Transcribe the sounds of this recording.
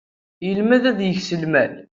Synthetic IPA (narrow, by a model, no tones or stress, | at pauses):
jəlmæðæðjəçsəlmæl